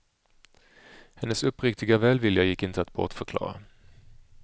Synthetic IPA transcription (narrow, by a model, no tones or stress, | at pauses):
hɛnːəsɵpːɾɪkt̪ɪɡavɛːlvɪljajɪkːɪnt̪əat̪̚bɔ̰ʈfœɾkʰlɑ̰ːɾa̰